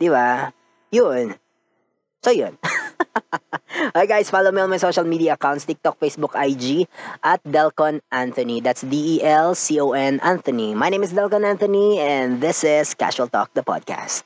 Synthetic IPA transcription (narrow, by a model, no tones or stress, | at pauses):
d̪̥iba | jʊn | sojʊn | ʔajɡajsfalowmiɔ̃nmajsoʃɐlmiːd̪iɐɐkawntst̪ɪk̚t̪ɔk̚fejsbʊkajd͡ʒiʔɐt̪̚d̪ɛlkɔ̃nʔãnt̪ɔnid̪at̪sd̪iʔiʔɛlsioːʔɛnʔãnt̪ɔnimajnẽjmɪs̬d̪ɛlkɔ̃nant̪ɔniɛ̃nðɪsɪskæ̰ʃuɐlt̪ɔ̰k̚d̪ɐpɔ̰d̪̚kʰa̰st̪̚